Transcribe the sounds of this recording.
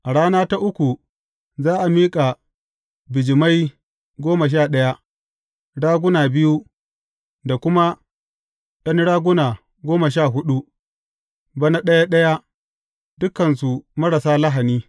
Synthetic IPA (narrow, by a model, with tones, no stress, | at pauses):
ʔa˨ɽaː˦naː˦ta˦ʔʊ˦kʷu˨ | zaː˦ʔa˨miː˦kʼa˨ | bɪ˨d͡ʒɪ˨ma˦j | ɡʷoː˦ma˨ʃ̬aː˦˨ɗɐ˦ja˦ | ɽaː˦ɡʷʊ˦naː˨bɪ˦ju˦ | da˨kʷʊ˦ma˦ | ɗɐ˦nɽaː˦ɡʷʊ˦naː˨ | ɡʷoː˦ma˨ʃ̬aː˦˨ɦʊ˦ɗu˦ | bɐ˦na˦ɗɐ˦ja˦ɗɐ˦ja˦ | dʊ˦kɐ˨ns̬u˨mɐ˦ɽɐ˨saː˦lɐ˦ɦa˨niː˦